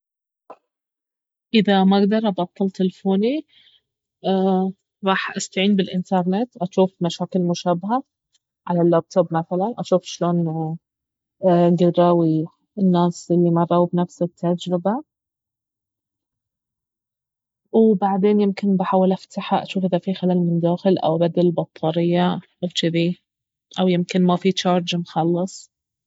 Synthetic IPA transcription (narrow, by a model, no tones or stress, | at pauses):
ʔɪðamaɡd̪ɑɾˤʔɑbɑt̪ˤːɑlt̪ɪlfoːni | ɾˤɑːħʔast̪aʕiːnbɪlʔɪnt̪ɑɾˤnet̪ʔaʃuːfmaʃaːkɪlmʊʃaːbɪɦa | ʕalalːaːb̚t̪ʰobmaθalanʔaʃuːfʃloːn | ɡɪɾˤɑːwi | ɪnːaːsʔɪlːimabˤawbnafsɪt̪ʰːad͡ʒɾɪba | wbaʕd̪eːnjɪmkɪnbɪħaːwɪlʔaft̪aħaʔaʃuːfʔɪðafixalaːlmɪnd̪aːxɪlʔa̰wʔabad̪alɪlbɑt̪ˤʰːɑːɾɪjːaʔawt͡ʃɪd̪i | ʔawjɪmkɪnmafit͡ʃɑːɾˤd͡ʒmxɑlːɨsˤ